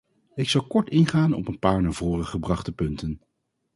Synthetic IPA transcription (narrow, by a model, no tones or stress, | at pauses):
ɪksɑwkɔɹtɪnχaːnɔ̰pənpaːɹnaːɹv̥oːrəχəbrɑχtəpɵntən